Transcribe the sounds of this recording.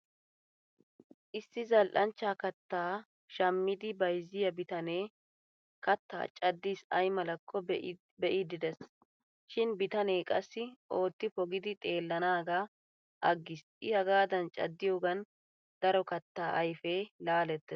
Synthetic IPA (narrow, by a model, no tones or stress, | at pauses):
ʔɪsːɪzɐlʔɐnt͡ʃːaːkɐt̪ːaː | ʃɐmːɪd̪ɪbɐjzɪjɐbɪt̪ɐneː | kɐt̪ːa̰ːt͡ʃʼɐd̪ːiːsɐjmɐlɐkʰːɔ | bɛʔɪd̪ɪd̪ɛs | ʃɪnbɪt̪ɐne̞ːkʼɐsːɪʔo̞ːt̪ːɪfɔɡɪd̪ɪt̪ʼe̞ːlːɐnaːɡa | ʔɐɡːɪsʔɪhɐɡaːd̪ɐnt͡ʃʼɐ̰d̪ːɪjoːɡɐn | d̪̥ɐɾɔkɐt̪ːaːʔɐjfeːlaːlɛt̪ːɛs